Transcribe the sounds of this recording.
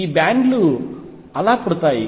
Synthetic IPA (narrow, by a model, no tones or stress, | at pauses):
iːbaːɳɖlu | ɐlaːpuɽut̪aːji